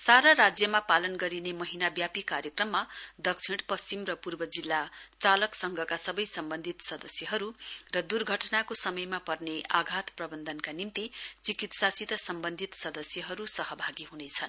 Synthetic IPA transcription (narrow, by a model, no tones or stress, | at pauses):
saɾaɾad͡zjʌmapalʌnɡʌɾinemʌɦinabjapikaɾjʌkrʌmːad̪ʌk̚t͡sʰiɽpʌst͡simrʌpurbʌd͡zilːat͡salʌksʌŋɡʱʌkasʌbʌjsʌmbʌnd̪ʱit̪sʌd̪ʌsjʌɦʌɾurʌd̪urɡʱʌʈnakosʌmʌjmapʌrneaɡʱat̪prʌbʌnd̪ʱʌnkanimt̪it͡sikit̪sasit̪ʌsʌmbʌnd̪ʱit̪sʌd̪ʌsjʌɦʌɾusʌɦʌbʱaɡiɦunet͡sʰʌn